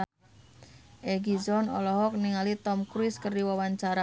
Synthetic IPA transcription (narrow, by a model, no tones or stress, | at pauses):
ʔɛɡid͡ʒɔnɔ̰lɔɦɔk̚niŋalit̪ɔmkɾiskərdiwawaɲt͡ʃaɾa